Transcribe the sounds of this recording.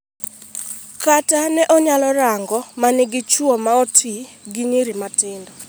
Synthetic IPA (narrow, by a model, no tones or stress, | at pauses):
katanɛʔɔɲalɔɾaŋɡɔmanɪɡɪt͡ʃuɔmaotʰi | ɡiɲiɾimatɪndɔ